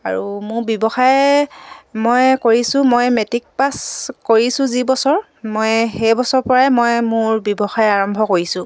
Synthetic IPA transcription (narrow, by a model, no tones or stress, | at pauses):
a̰ɹumʊɹbjɔbɔxaj | mojkoɹisʊ̃mojmetik̚paskoɹisʊ̃zibɔsɔɹ | mojxejbɔsɔɹpɔɹamojmʊɹbɔbɔxajaɹɔmbʱɔkoɹisʊ̃